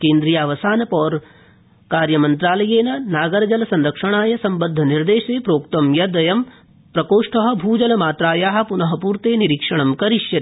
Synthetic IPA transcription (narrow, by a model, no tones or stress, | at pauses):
keːnd̪ɾijaːʋɐsaːnɐpɔːɾ | kaːɾjɐmɐnt̪ɾaːlɐjeːnɐnaːɡɐɾɐd͡ʒɐlɐsɐnɾɐkʂɐɳ̃aːjɐsɐmbɐd̪ʱːɐniɾd̪eːʃeːpɾoːkt̪ɐmjɐd̪ɐjɐm | pɾɐkoːʂʈʰɐɦɐ̆bʱuːd͡ʒɐlɐmaːt̪ɾaːjaːɦɐ̆punɐɦɐ̆puːɾt̪eːniɾiːkʂɐɳ̃ɐmkɐɾiʃjɐ